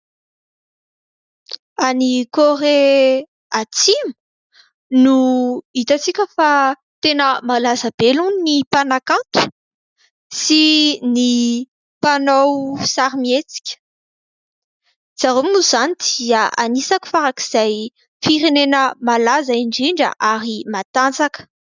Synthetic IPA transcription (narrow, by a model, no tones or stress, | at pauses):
anikore | at͡simu | nuit̪at͡sikʲəfa | t̪enəmalazab̥elunnipanakant̪u̥ | sini | panowsaɾimiet͡si̥kʲə̥ | d͡z̥aɾominuz̥anid̪iəʔanisaku̥faɾakiz̥aj | fiɾenenəmalazaiɳɖ͡ʐiɳɖ͡ʐə̰ʔaɾimat̪ant͡sakə̥